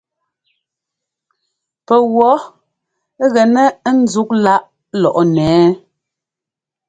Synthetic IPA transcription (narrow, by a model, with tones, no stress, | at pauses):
pɛ˨ɣwɔ˨˦ | ɣɛ˨nɛ˦n̩˦d͡zu˦k̚la˦ʔ | lɔ˨ʔɔ˦nɛː˨˦